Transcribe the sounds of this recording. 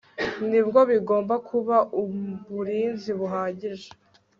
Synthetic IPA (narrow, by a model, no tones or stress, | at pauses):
nibɡo̞βiɡo̞ːmbakʰuβaʔuβuɾiːnziβuɦaːɟiʒe̥